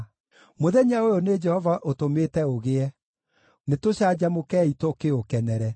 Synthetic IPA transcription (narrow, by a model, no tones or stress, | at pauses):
moðɛɲaojoned͡ʒɛhɔvaʔotometɛoɣeɛ | netoɕad͡ʑamokɛitokeokɛnɛɾɛ